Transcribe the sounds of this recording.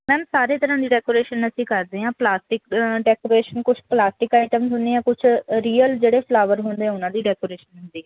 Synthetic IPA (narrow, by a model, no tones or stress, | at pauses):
mɛ̃ːsaːɾeːt̪əɾãːd̪iːɖɛːkoːɾeːʃənəsĩːkəɾd̪eːɦãːplaːsʈɪkɖɛːkoːɾeːʃənkʊt͡ʃʰplaːsʈɪkaːɪʈəmsɦʊnd̪eːãːkʊt͡ʃʰɾiːəld͡ʒeːɽeːpʰlaːʋəɾɦoʊ̃nd̪eːɛ̃ːʊnãːd̪iːɖɛːkoːɾeːʃənɦʊ̃nd̪iːɦɛː